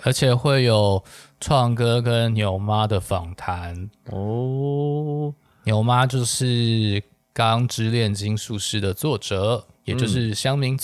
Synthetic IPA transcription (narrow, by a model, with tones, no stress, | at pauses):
ə˞˧˥t͡ɕʰjɛ˨˩xwe˥˩ɪjo˨˩ʊʈ͡ʂʰwɑ˥˩ŋkɤ˥kə˦nnjo˧˥ʊma˥d̪ə˨fɑ˨˩ŋt̪ʰa˧˦n˥ | njo˧˥ʊma˦t͡ɕjo˥˧ʊʂɻ̩˥˩ | kɑ˥ŋʈ͡ʂɻ̩˥ljɛ˥˩nt͡ɕi˥ŋʂu˥˧ʂɻ̩˥˩d̪ə˩t͡swɔ˥˩ʈ͡ʂɤ˨˩˦jɛ˨˩t͡ɕjo˥˧ʊʂɻ̩˥˩ɕjɑ˥ŋmi˧˥ŋ